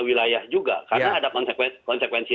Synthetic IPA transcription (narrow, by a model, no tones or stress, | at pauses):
wilajahd͡ʒuɡa̰karnaːdakɔnsɛkwɛkɔnsɛkwɛnsi